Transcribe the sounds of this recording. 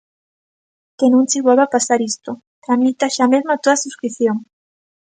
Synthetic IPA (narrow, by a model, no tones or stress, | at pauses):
kenũŋt͡ʃɪβolβapasaɾist̪o | t̪ɾamit̪aʃamezmat̪oðasuskɾiθjoŋ